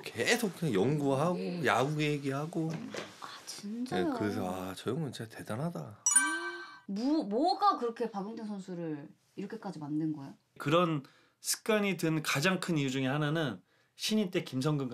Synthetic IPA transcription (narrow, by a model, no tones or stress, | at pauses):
kʰesokkʰjʌŋɡuaɦaɡojaɡuɡeɦeɡiɦaɡoat͡ɕind͡ʑaejokɯɾes̬ʰʌat͡ɕʌjʌŋɡɯnt͡ɕʰete̞danɦada | mumwʌɡakɯɾʌkʰe̞paɡoŋtʰeŋsʰʌnsʰuɾɯɾ | iɾʌkʰe̞k͈ad͡ʑimandɯnɡʌejo | kɯɾʌn | sʰɯ̥k̚k͈aɲitɯnkad͡ʑaŋkʰɯnijud͡ʑuŋehananɯn | ɕʰiɲint͈e̞kimsʰʌŋɡɯŋɡ